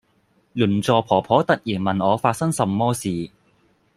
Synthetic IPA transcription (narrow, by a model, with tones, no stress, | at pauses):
luː˨˩nt͡sɔː˨pʰɔː˨˩pʰɔː˨˥t̪ɐ˨t̚jiː˨˩nmɐ˨˩nɔː˨˧faː˧t̚sɐ˥ŋsɐ˨mːɔː˥siː˨